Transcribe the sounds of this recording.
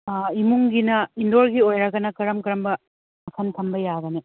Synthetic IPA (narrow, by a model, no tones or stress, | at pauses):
imuŋɡinɐindoɾɡiojɾɐɡɐnɐkɐɾɐmkɐɾɐmbɐ | mɐkʰɐntʰɐmbɐjaɡɐni